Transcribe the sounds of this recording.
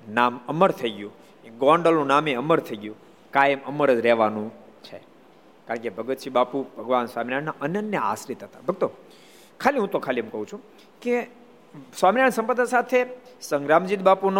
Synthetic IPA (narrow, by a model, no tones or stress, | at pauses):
naməməɾt̪ʰəiɡjũ | ekɡɔɳɖəlnũnameəməɾt̪ʰəiɡjũ | kajəməməɾəd͡ʒɾɛɦʋanũ | t͡ʃʰe | kaɾəɳkebʱəɡət̪ʃibapubʱəɡʋansʋaminaɳnaʔənənjəa̰sɾit̪ɦət̪ḁbʱəɡ̚t̪o | kʰaliɦũt̪okʰaliemkəɦũt͡ʃʰũ | ke | sʋaminaɳsə̃mpəd̪asat̪ʰesəŋɡɾamd͡ʒit̪̚bapun